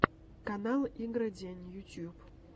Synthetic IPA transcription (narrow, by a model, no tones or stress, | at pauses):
kanalˠiɡɾad̪ʲenʲjut̪ʲjup